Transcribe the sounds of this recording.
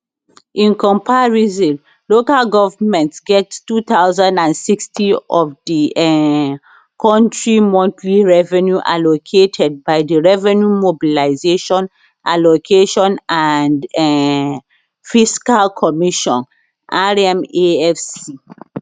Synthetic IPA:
ʔĩnkɔ̃mpʰaɹizɔ̃n | lokalɡɔvamɛ̃ntsɡɛtstut̪aʊzãndãnsikstiɔfdi | kʰɔ̃ntɹimɔ̃ntʰliɹɛvɛ̃njuʔalokʰetʰɛd̚baɪdiɹɛvɛ̃njumobilaɪzeʃɔ̃n | ʔalokʰeʃɔ̃nand | fiskalkʰɔmiʃɔ̃n | ʔaɛ̃meɛfsi

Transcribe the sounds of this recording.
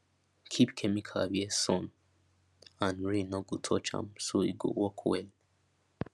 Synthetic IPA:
kʰipkʰɛmikʰa̰wiɛsɔ̃n | ãnɹinɔɡotʰɔt͡ʃã̰msoḭɡo̰wɔkʰwɛl

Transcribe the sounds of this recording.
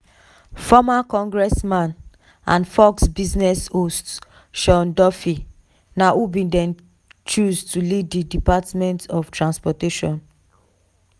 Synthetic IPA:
fɔmakɔ̃ŋɡɹɛsmãn | ãnfɔksbiznɛsost | ʃɔ̃ndɔfi | naʔubĩdɛ̃m | t͡ʃuztuliddidipatmɛ̃ntɔftɹãnspɔteʃɔ̃n

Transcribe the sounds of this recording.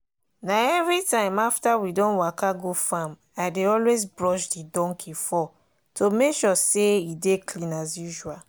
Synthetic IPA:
naɛvɹitãɪ̃maftawidɔ̃nwakaɡofãm | aɪdeɔlwezbɹɔʃdidɔ̃ŋkʰifɔ | tʰomekʃɔseideklĩnazjuʒual

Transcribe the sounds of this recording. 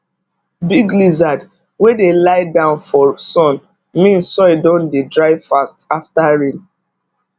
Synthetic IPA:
biɡlizad | wedelaɪdãʊ̃nfɔsɔ̃n | mĩnsːɔedõndedɹaɪvfastaftaɹĩm

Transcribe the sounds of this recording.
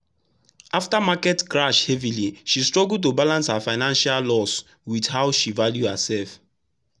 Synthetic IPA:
ʔaftamakɛtkɹaʃhɛviliʃistɹɔɡl̩t̬obalãnshəfaɪnãnʃallɔs | widhawʃivaljuhəsɛlf

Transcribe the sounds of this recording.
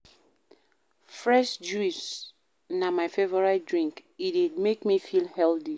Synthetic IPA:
fɹɛʃd͡ʒus | namajfevɔɹadɹĩŋkidid̚mekmifilhɛldi

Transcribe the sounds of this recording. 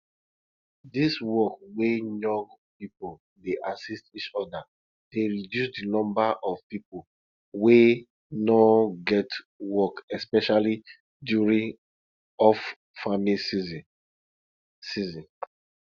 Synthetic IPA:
diswɔk̚wejɔ̃ŋɡpipol | deʔasistit͡ʃɔda | deɹidjusdinɔ̃mbaʔɔvpipo | we | nɔɡɛt | wɔkɛspɛʃali | djuɹĩŋ | ɔf | famiiz | sizĩn

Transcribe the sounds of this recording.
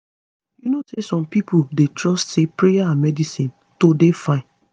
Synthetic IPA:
junosesɔ̃mpipodetɹɔstsepɹejaãmɛdisĩn | todefãɪ̃n

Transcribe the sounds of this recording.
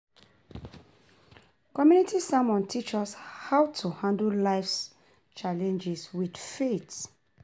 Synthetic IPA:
kɔmjunitisamɔ̃ntʰit͡ʃɔshawtʰuhãndəllaɪfs | t͡ʃalɛ̃nd͡ʒiswidfet

